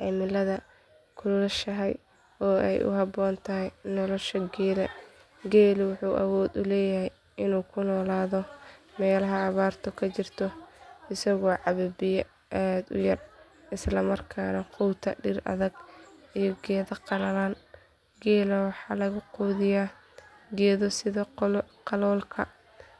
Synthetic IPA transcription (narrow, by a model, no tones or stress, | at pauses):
ʔɛmɪlɐðɐ | kʰʊllɐʃɐɦɛj | ɔːɛ̰jʔʊ̰ɦɑbɔːnt̪ʰɐɦɛjnɔlɔʃɐɡɛːlɐ̰ | ɡɛːlɪwʊħuːʔɐ̰wɔːd̪ʊlɛːjɐhɛj | ɪnuːkʰʊnɔːlaːðɔmɛːlɐɦɐːβaːrt̪ʰɔkʰɐt͡ʃɪrt̪ʰɔɪsɐɣɔːʕɑβɛbɪjɛ | ʔaːd̪ʊ̰jɐr | ʔɪslɐmɐrkʰaːnɐqʰuwt̪ʰɐ̰ɖɪrʔɐ̰ðɐɡijɔɡɛːðɐqɑlɐlan | ɡɛːlɐwɑħɑːlɐɣʊquːðɪjaː | ɡɛːðɔsɪðɐqɑlɔːlkʰɐ̰